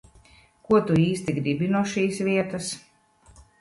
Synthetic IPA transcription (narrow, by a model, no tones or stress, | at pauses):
kuɔt̪uiːst̪iɡɾibinuɔʃiːsvʲiɛt̪as